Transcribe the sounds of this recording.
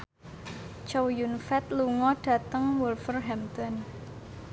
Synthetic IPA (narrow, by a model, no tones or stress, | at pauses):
t͡ʃowjunfɛt̪luŋɔɖ̥ä̤t̪əŋwulfərɦɛmt̪ɔn